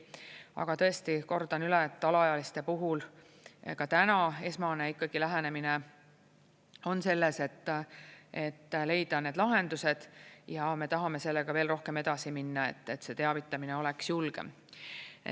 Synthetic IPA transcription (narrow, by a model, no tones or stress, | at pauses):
ɑ̰ɡ̥ɑt̪ɤ̞e̞st̪iko̞rd̪̥ɑnylet̪ːˑɑlɑɑjɑlist̪e̞puɦul | kɑt̪ænɑe̞smɑne̞ikːˑɑɡ̥ilæɦæne̞mine | o̞nse̞lːese̞t̪ːˑe̞t̪ːle̞jd̪̥ɑne̞ːd̪lɑɦe̞nd̪̥use̞d̪̥jɑme̞t̪ɑɦɑme̞se̞lːeɡ̥ɑve̞ːlro̞hke̞me̞d̪̥ɑsiminːɑe̞̰t̪ːˑet̪se̞t̪e̞ɑvit̪ːˑɑmine̞o̞le̞ksjulɡ̥ḛ